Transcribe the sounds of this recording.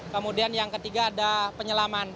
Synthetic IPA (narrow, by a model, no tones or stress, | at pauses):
kəmudianjaŋkət̪iɡaːdapəɲəlaman